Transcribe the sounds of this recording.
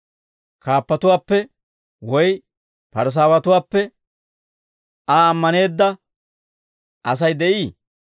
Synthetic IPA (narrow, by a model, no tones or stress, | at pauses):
kaːpːɐt̪ʊwaːpːɛ | wɔj | pɐɾs̬aːwɐt̪ʊwaːpːɛ | aːmːɐne̞ːd̪ːɐ | ʔɐs̬ɐjd̪ɛʔiː